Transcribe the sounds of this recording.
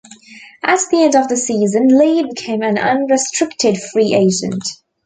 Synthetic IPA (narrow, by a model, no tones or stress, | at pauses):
ʔət̚ðiɛ̃ndəvðəsiːzə̃nleɪbɪkʰẽɪ̃mə̃nʌ̰̃nɹɪstɹ̥ɪk̚tʰɪd̥fɹiːʔeɪd͡ʒɨ̰̃nt